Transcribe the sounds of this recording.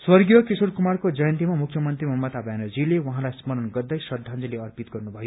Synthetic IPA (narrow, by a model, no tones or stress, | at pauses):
swʌrɡjʌkisuɾkumarkod͡zʌjʌ̃nt̪imamukʰjʌmʌnt̪rimʱʌmʌt̪abjanʌd͡zilewãɦãlajsmʌɾʌnɡʌrd̪ʌjsʌd̪ʱand͡zʌleʌrpit̪ɡʌrnubʱʌjo